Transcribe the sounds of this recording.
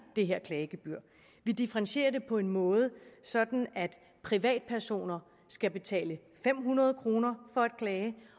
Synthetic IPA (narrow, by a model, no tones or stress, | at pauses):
d̥e̝ɦeɐ̰kʰlɛːɪɡ̥eb̥yɐ̰ | ʋid̥ifəʁɑnɕe̝̰ːɐd̥e̝pʰɒ̽e̝nmɔ̽ːð̞̩ˠsɒ̽d̥n̩æd̥ | pʰʁiʋɛ̰ːd̥̚pʰæɐso̝̰ːnɐ | sɡ̥æb̥e̝t͡sʰɛ̰ːlə | fem̰ɦunɐð̞̩ˠkʰʁo̝ːnɐfɒ̽æd̥kʰlɛːɪə